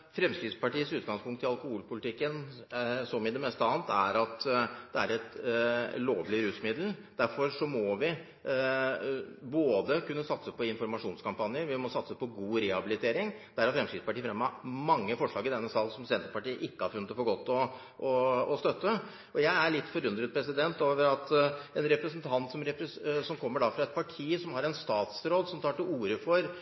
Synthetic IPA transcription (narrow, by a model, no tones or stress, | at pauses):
fɾɛmskɾɪd̪spɑʈiːəsʉːt̪̚ɡɑŋspʰʊŋkt̪ʰːɪlɑlkʊhuːlpʊlɪt̪ɪkːənsɔmɪd̪ɛmɛst̪əɑːnt̪ʰæɾɑt̪d̪ɛæɾɛt̪ | loːʋlɪɾʉːsmɪd̪l̩d̪̥æɾfɔɾʂɔmɔʋɪ | boːd̪əkʉnːəsɑt̪səpɔɪnfɔɾmɑʂuːnskɑmpɑnjəɾʋɪmɔsɑt̪səpɔɡuːɾɛhɑbɪlɪt̪ʰeːɾɪŋd̪̥æɾhæɾfɾɛmskɾɪd̪spɑʈiːəfɾɛmːɑmɑŋːəfɔʂɭɑ̰ːɡɪd̪ɛnːəsɑːlsɔmsɛnt̪əpɑʈiːəʔɪkːəhɑɾfʉnət̪ɔfɔɡɔt̪ːɔ | ɔɔst̪œt̪ːə | ʔɔjæɪæɭɪt̪ːfɔɾʉnd̪ɾəd̪̚pʰɾɛsɪd̪ɛnt̪oːʋəɾɑt̪ɛnɾɛpɾəsnt̪ʰɑnt̪sɔmɾɛpɾəsɔmkʰɔmːəɖɑfɾɑɛt̪̚pʰɑʈʰiːsɔmhɑɾɛnst̪ɑːt̪sɾoːd̪sɔmt̪ʰɑːʈɪuːɾəfɔɾ